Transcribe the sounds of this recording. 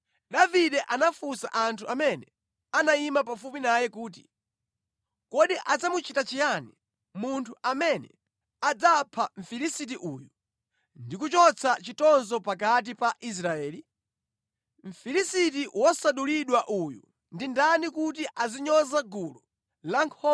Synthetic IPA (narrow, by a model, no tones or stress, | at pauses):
ɗaviɗɛʔanafusa̰ʔantʰuʔamɛnɛ | anaimapafupinajɛkuːti | kɔɗiʔad͡zamut͡ʃʰitat͡ʃijani | muntʰuʔamɛnɛ̰ | ad͡zapʰaɱ̩filisit̬iʔuːju | ndikut͡ʃɔt͡sʰat͡ʃitɔnzɔpak̬at̬ipaʔis̬ɾaɛːli | ɱ̩filisitiwɔsaɗuliɗwaʔujṵ | ndindanikutiʔaziɲɔzaɡulɔ | laŋkʰɔ